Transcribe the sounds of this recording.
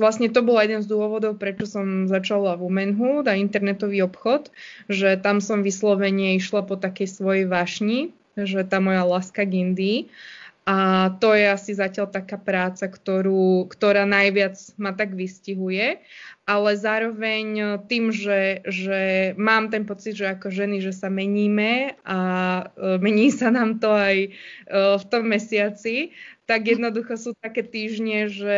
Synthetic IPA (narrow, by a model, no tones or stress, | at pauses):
ʋlasɲɛt̪ɔbɔljɛd̪ɛnzd̪ʊɔʋɔd̪ɔʊpɾɛt͡ʃɔsɔmzat͡ʃalavumɛnɦuːd̪aint̪ɛɾnɛt̪ɔʋiːɔpxɔt̪ʒɛt̪amsɔmʋislɔʋɛɲɪɛiʃlapɔt̪akɛjsʋɔjɛjʋaʃɲi | ʒɛt̪aːmɔjalaskaɡind̪iːʔat̪ɔjɛasizacɪaʎt̪akaːpɾaːt͡sakt̪ɔɾuːkt̪ɔɾaːnajʋɪad͡zmat̪aɡʋisciɦujɛʔalɛzaːɾɔʋɛɲt̪iːmʒɛʒɛmaːmt̪ɛnpɔt͡sid̪ʒɛakɔʒɛniʒɛsamɛɲiːmɛa | mɛɲiːsanaːmt̪ɔaj | ft̪ɔmːɛsɪat͡sit̪aɡjɛd̪nɔd̪uxɔsuːt̪akɛːt̪iːʒɲɛʒɛ